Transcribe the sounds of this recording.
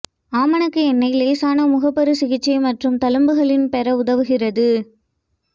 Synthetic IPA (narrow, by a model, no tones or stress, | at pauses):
aːmɐnɯkːɯɛnːɐɪjleːsaːnɐmʊɣɐpːɐɾɯsɪɣɪt͡ʃːɐɪmɐʈrɯmt̪ɐlɯmbɯɣɐɭɪnpɛɾɐʊðɐʋɯɣɪrɐðɯ